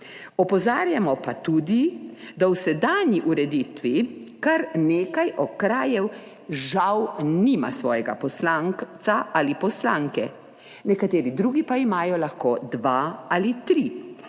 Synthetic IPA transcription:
ɔpɔzaːɾjamɔpat̪uːd̪id̪awsɛd̪anjiʔuɾɛd̪it̪ʋikaɾneːkajʔɔkɾaːjɛw | ʒawniːma̰sʋɔːjɛɡa̰pɔslaŋsaʔalipɔslaːŋkɛ | nɛkat̪eːɾid̪ɾuːɡipaimaːjɔlaxkoːd̪ʋaalit̪ɾi

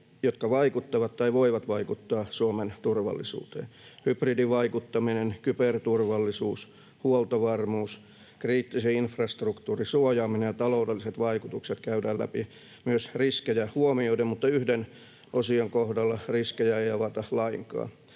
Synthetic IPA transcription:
jot̪kɑʋɑikut̪ːɑʋɑt̪t̪ɑiʋoiʋɑt̪ʋɑikut̪ːɑːsuoment̪urʋɑ̰lːḭsṵːt̪ḛːnhypridiʋɑikut̪ːɑminenkypert̪urʋɑlːisuːs | huolt̪ɑʋɑrmuːs | kriːt̪ːiseinfrɑst̪rukt̪uːrisuojɑːminejɑt̪ɑloˑudelːiset̪ʋɑikut̪ukset̪kæydæːlæ̰pi | myøsriskejæhuomioidemmut̪ːɑyhden | ʔosiɑŋkohdɑlːɑriskejæejɑʋɑt̪ɑlɑiŋkɑ̰ː

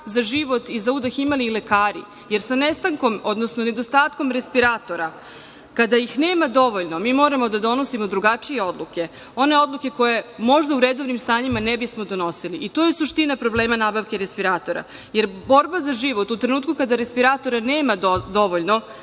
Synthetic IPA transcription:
zaʒiʋo̞t̪izaud̪aximalile̞kaːɾḭ | je̞ɾsanest̪aŋko̞mo̞d̪nosnone̞d̪ost̪aːt̪ko̞mɾe̞spiɾaːt̪o̞ɾa | kad̪ajixne̞ːmad̪o̞ʋo̞ʎno̞miːmo̞ːɾamo̞d̪ad̪o̞no̞simo̞d̪ɾuɡat͡ʂije̞o̞d̪luke̞ | o̞ne̞o̞d̪lˠuke̞ko̞je̞mo̞ʒd̪auɾed̪o̞ʋnimst̪aːɲimanebismo̞d̪o̞no̞siliʔit̪o̞ːjesuʂt̪inapɾo̞bleːmanaːbaʋke̞ɾespiɾaːt̪o̞ɾa̰ | je̞ɾbo̞ɾbazaʒiʋo̞t̪ut̪ɾe̞nuːt̪kukad̪aɾe̞spiɾaːt̪o̞ɾaneːmad̪o̞ʋoʎno̞

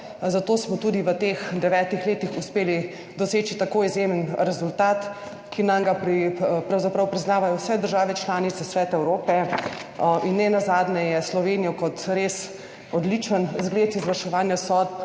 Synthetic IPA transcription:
zat̪oːsmɔt̪ud̪iʋət̪eːxd̪ɛʋɛːt̪ixleːt̪ixuspeːli | d̪ɔseːt͡ʃit̪akoːizjemənɾɛzult̪aːt̪ | kinamɡapɾipɾawzapɾɐwpɾiznaːʋajɔwsɛd̪əɾʒaːʋɛt͡ʃlaːnit̪sɛsʋɛːt̪aɛwɾoːpɛ | ʔinːɛnazaːd̪nɛjɛslɔʋenijɔkɔt̪ɾes | ɔd̪lit͡ʃənzɡleːt̪izʋɐɾʃɛʋaːnjasɔːt̪̚

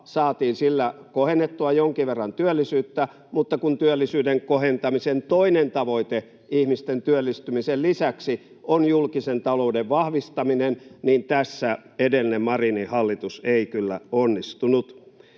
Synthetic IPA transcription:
sɑːt̪iːnsilːækohenːet̪ːuɑjoŋkiʋʋerːɑnt̪yølːisyːt̪ːæ | mut̪ːɑkunt̪yølːisyːdeŋkohent̪ɑmisent̪oinent̪ɑʋoit̪e | ihmist̪ent̪yølːist̪ymisellisæksi | ʔonjulkisent̪ɑloudeʋʋɑhʋist̪ɑminenniːnt̪æsːæedelːˑinemmɑrinihɑlːit̪useikylːæ̰onːist̪unut̪

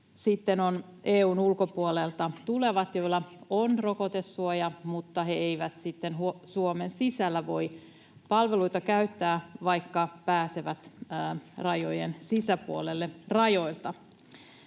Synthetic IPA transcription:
sit̪ːenoneːuːnulkopuolelt̪ɑt̪ule̞ʋɑt̪jo̞ilːɑonrokot̪esːuojɑmut̪ːɑɦeeiʋæt̪sit̪ːenɦuosuomensisælːæʋo̞j | pɑlʋe̞luit̪ɑkæyt̪ːæːʋɑjkːɑpæːseʋæt̪ː | rɑjojensisæpuolelːerɑjo̞ilt̪ɑ

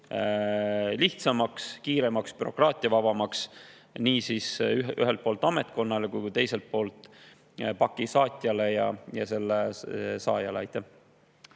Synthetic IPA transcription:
liht̪sɑmɑkskiːɾe̞mɑkspyɾo̞̰krɑːt̪ʲˑiɑvɑb̥ɑmɑks | niːsisy̰ɦelt̪̚po̞ːlt̪ːˑɑme̞t̪̚ko̞nːɑlekujkut̪e̞jse̞lt̪̚po̞ːlt̪ˑ | pɑkːˑisɑːt̪ʲˑjɑle̞jɑ̰jɑse̞lːesɑ̰ːjɑ̰leɑjt̪ːˑæh

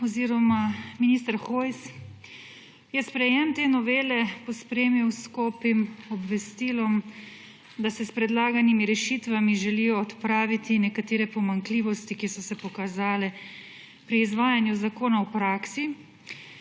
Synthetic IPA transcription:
ɔziɾɔmaminiːst̪əɾxojs | jɛspɾɛjɛmt̪eːnɔʋeːlɛpɔspɾeːmiwskɔːpimɔbʋɛst̪iːlɔm | d̪asɛspɾɛd̪laːɡanimiɾɛʃit̪ʋamiʒɛlijɔːt̪pɾaːʋit̪inɛkat̪eːɾɛpɔmaŋkliːʋɔst̪ikisɔsɛpɔkazaːlɛ | pɾiːzʋaːjanjuzakoːnawpɾaːksi

